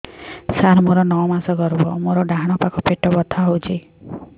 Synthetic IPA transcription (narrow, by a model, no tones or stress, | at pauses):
saɾmoɾɔnɔwmasɔɡɔɾbɔmoɾɔɖaɦaɽ̃ɔpakɔpeʈɔbɔt̪ʰaɦowt͡ʃʰi